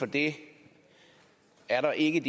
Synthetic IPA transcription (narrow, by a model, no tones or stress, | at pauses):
fɒd̥e̝ | æɐɾɑ̈ʔe̝ɡəd̥